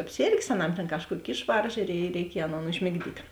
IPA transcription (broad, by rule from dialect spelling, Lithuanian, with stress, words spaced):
ɐpʲˈsʲeːrʲɡʲeːs ɐˈnɐm tʲeːn ˈkɑːʃˌkuɔkʲ ˈɪʃʋɐrʒɐ ɪ rʲɛɪˈkʲiɛj ˈɑːˌnoːn ʊʒʲmʲɪɡˈdʲiːtʲ